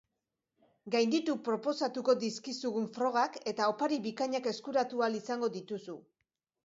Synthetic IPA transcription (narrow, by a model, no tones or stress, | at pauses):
ɡajnd̪it̪upɾo̞po̞sat̪uko̞d̪iskisuɣuɱfɾo̞ɣ̞ake̞t̪ao̞paɾiβikaɲake̞skuɾat̪ualisaŋɡo̞ðit̪usu